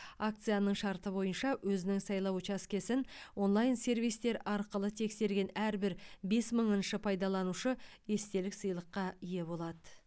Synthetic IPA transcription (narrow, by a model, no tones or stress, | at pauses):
akt̪sɨjanəɴʃɑɾt̪əbo̞jənʃɑwɵzɪnɪŋsɑjlˠɑwt͡ʃɑskʲe̞sɪnwo̞nlˠɑjnse̞rvijst̪e̞ɾɑɾqəlˠət̪ʰe̞kse̞ɾɡʲe̞næɾbɪɾbe̞sməɴənʃəpʰɑjd̪ɑlˠɑnuʃəe̞st̪e̞lɪksəjlˠəqːɑije̞bo̞lˠɑd̪ə